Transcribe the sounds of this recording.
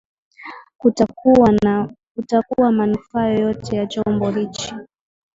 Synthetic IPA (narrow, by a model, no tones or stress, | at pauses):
ka | kutakuwamanufaːjɔjɔtɛjat͡ʃɔmbɔɾit͡ʃi